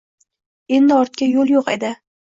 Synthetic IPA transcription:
e̞nd̪ɪɒɾt̪̚kʲajolˠjoqe̞d̪ɪ

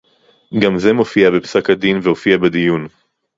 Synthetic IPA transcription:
ɡamze̞mo̞fiabepsakhad̪invehofiabedijun

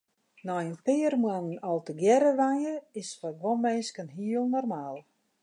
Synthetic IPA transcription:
nɔjənpɪːrmwannɔlˠtəɡjɛɾəʋanjəɪsfaɡʋɔnmɛnskənɦiəlˠnɔrmaːlˠ

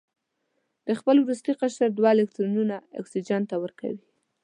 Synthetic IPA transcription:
d̪̥əxpəlwɾust̪iqaʃaɾd̪wɑɪlek̚t̪ɾonunaɪ̰ksid͡ʒant̪awəɾka̰wi

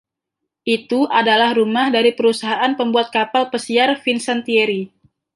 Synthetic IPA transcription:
ʔit̪uʔadalahrumahdaɾipəɾusaɦaʔanpəmbuat̪̚kapalpəsiarfinsant̪ieɾi

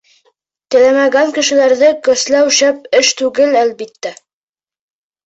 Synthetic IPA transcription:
t̪ɘ̆læmæɡæŋkɘ̆ʃɘ̆læɾðɘkɵ̆slæwɕæp̚ɘʃt̪ʉɡɘlælbit̪ːæ

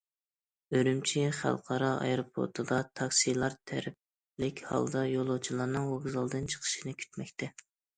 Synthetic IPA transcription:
øɾymt͡ʃʰiχæ̰lˠqʰɑɾɑɑ̰jɾopʰo̰ɾt̪ʰɨd̪ɑt̪ʰɑksilˠɑɾt̪ʰæ̰ɾɪp̚ | lɪkʲhɑ̰lˠd̪ɑjolˠot͡ʃʰilˠɑɾnɨŋwoɡzɑlˠd̪ɨnt͡ʃʰə̥qʰə̥ʃinɨkʲʰy̥t̪mɛkʲt̪ʰɛ

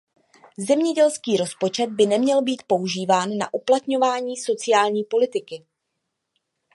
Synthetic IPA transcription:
zɛmɲɛɟɛlskiːɾo̞spo̞t͡ʃɛd̪̚bɪnɛmɲɛlbiːt̪̚po̞uʒiːvaːnːaʔuplat̪ɲo̞vaːɲiːso̞t͡sɪjaːlɲiːpo̞lɪt̪ɪkɪ

